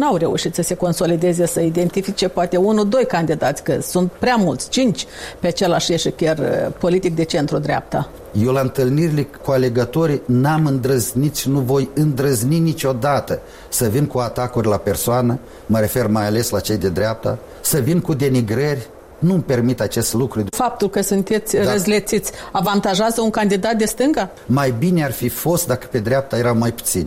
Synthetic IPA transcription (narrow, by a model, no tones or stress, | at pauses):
nawre̞uʃit̪səse̞ko̞nso̞lid̪e̞ze̞səid̪e̞nt̪ifit͡ʃe̞poat̪e̞unud̪o̞jkand̪id̪at̪sʲkəsunt̪̚pɾeamult̪sʲt͡ʃint͡ʃʲpeat͡ʃe̞laʃjeʃekʲerpo̞lit̪ik̚d̪e̞t͡ʃe̞nt̪ɾud̪ɾʲea̰p̚t̪a | jewlaɨnt̪ɨlniɾilekuale̞ɡət̪o̞ɾinamɨnd̪ɾəznit̪sʃinuvo̞jɨnd̪ɾəzninit͡ʃo̞d̪at̪ə | səvinkuat̪akurʲlape̞rsoanə | məɾe̞fe̞rmajale̞slat͡ʃe̞jd̪ed̪ɾʲeap̚t̪a̰ | səvinkud̪e̞niɡɾərʲ | numpe̞rmit̪at͡ʃe̞st̪lukɾufap̚t̪ulkəsunt̪e̞t̪sʲrəzlet̪sit̪sʲavant̪aʒeazəuŋkand̪id̪at̪̚d̪e̞st̪ɨŋɡa | majbinearfifo̞st̪̚d̪akə̥pe̞d̪ɾʲeap̚t̪aje̞ɾawmajpu̥t̪sḭnʲ